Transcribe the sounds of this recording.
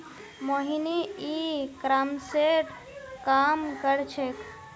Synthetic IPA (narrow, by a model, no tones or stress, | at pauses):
moɦineikɾamseʈ | kamkəɾt͡ʃʰek